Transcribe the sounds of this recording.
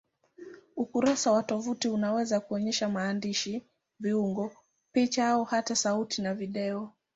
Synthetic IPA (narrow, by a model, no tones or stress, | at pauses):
ukuɾasawatɔvutiunawɛzakuɔɲɛʃamaːndiʃi | viuŋɡɔ | pit͡ʃaaɔhatasautinaviɗɛɔ